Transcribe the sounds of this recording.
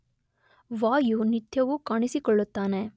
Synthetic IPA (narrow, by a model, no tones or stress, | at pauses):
ʋaːjunit̪ʰjɐʋukaːɳisikɔɭːut̪ːaːne